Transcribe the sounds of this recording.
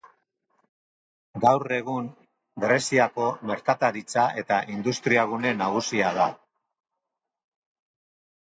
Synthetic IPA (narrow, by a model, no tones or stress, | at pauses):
ɡawre̞ɣun | ɡɾe̞siako̞me̞ɾkat̪aɾit͡saʔe̞t̪aʔind̪ust̪ɾiaɣune̞naɣ̞usiað̞a